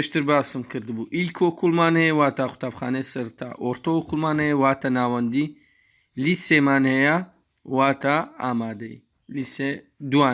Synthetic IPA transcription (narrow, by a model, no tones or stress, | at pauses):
peʃt̪ɨɾbaːsɨmkʰɨɾd̪ɨbuːʔikʰokʰulmaːnhɛjewaːt̪ʰaxʊ̥t̪ʰaːpxa̰ːnesɐɾt̪ʰa̰ːʔoɾt̪ookʰulmaːnɛjewaːt̪ʰanaːwɐnd̪i | lisemaːnhɛja | waːt̪ʰaa̰ːmaːd̪ɐḭ | lised̪uaː